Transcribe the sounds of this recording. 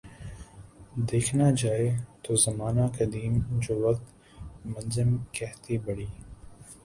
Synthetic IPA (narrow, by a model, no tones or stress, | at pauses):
d̪eːkʰnad͡ʒaːet̪oːzɐmaːnakɐd̪iːmd͡ʒoːʋɐkt̪ | mɐnzɪmkɛɦt̪ibɐɽiː